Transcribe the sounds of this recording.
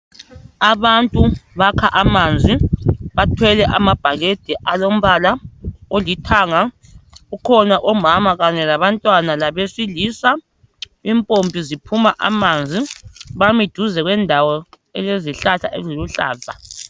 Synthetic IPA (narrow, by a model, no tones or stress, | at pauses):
aβantʼuβakʰaʔamand͡zʱiβatʰwɛlɛʔa̰mab̥ʱaɣed̥ʱɛʔalom̩βalaolitʰaŋa | ukʰɔnaʔɔmamaɣaɲɛlaβantʼwanalaβesiliːsa | impʼompʼizipʰumaʔa̰mand͡zʱiβamid̥ʱuzɛɣwɛndʱawɔ | ɛleziɬatʰa̰ʔezoluɬa̰ːza